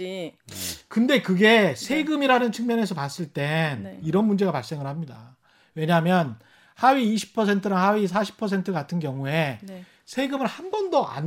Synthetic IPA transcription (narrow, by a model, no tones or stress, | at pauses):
kɯnde̞kɯɡe̞sʰe̞ɡɯmiɾanɯnt͡ɕʰɯŋmjʌne̞s̬ʰʌpas͈ɯɭt͈e̞niɾʌnmund͡ʑe̞ɣapaɭs͈e̞ŋɯɭhamɲida̰ | we̞ɲamjʌn | haɥiːɕʰi̥pʰʌsʰe̞ntʰɯɾaŋhaɥis̬ʰaɕʰi̥pʰːʌs̬ʰe̞ntʰɯkatʰɯnɡjʌŋue̞ | sʰe̞ɡɯmɯɭhambʌndʌʔa̰n